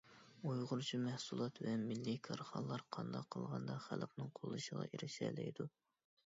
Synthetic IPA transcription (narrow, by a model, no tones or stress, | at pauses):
ojʁʊɾt͡ʃʰimɛhsulˠɑt̪vɛmɪlːikʰɑɾχɑnlˠːɑɾqʰɑnd̪ɑqʰːəlˠʁɑnd̪ɑχælqnɨŋqʰolˠːɨʃəʁɑ̰ʔiɾɪʃɛ̰lɛjd̪u